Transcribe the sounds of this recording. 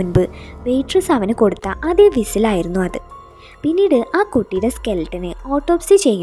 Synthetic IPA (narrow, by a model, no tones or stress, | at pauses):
unbɨʋe̞jʈrɨsɐʋɐnɨko̞ɽut̪ːɐʔɐðeʋisilaːjiɾunːuɐðɨ | pinːiːɽɨʔaːkuʈːijɽe̞ske̞lʈːɐnɨoːʈːo̞ːpsit͡ɕe̞jːu